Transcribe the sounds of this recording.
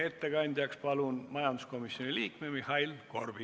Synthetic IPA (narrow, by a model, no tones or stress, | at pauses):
e̞t̪ːeɡ̥ɑnʲd̪ʲjɑkspɑlunmɑjɑnd̪usko̞misjo̞nʲiliːkmemihɑilko̞rbi